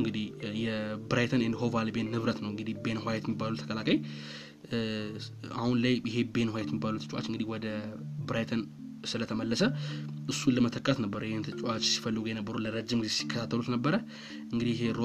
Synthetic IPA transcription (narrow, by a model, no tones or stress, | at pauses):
ɨŋɡɨd̪ihjɛbɾajt̪ʰənɨnd̪iho̞valbe̞nːɨβɾət̪nəwɨŋɡɨd̪ihbe̞nɦajt̪jɛmːibːalut̪ʰə̥kʰəlakʰəj | a̰hunlajjɪɦe̞be̞nhwajɛt̪jɛmibːalut̪ɨ̥t͡ʃʼwa̰t͡ʃːɨŋɡɨd̪ihwɔd̪əbɨɾajt̪ʰən | sɨlət̪ʰəməlːəsəʔɨsːuləmət̪ʰəkʼːat̪nəbːəɾjehnt̪ʰɨt͡ʃʼat͡ʃːsi̥fəlːɨɡujenəbːəɾuləɾəd͡ʒːɪmɡɨzesi̥kʰːət̪ʰat̪ːəlut̪nəbːəɾə | ɨŋɡɨd̪ihjɪɦe̞ɾo